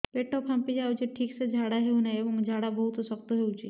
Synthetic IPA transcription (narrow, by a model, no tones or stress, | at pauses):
peʈɔkʰãmpid͡ʒaut͡ʃiʈʰiːksed͡ʒʱaɽaɦeunaebɔŋd͡ʒʱaɽabɔɦut̪sɔk̚t̪oɦeut͡ʃʰi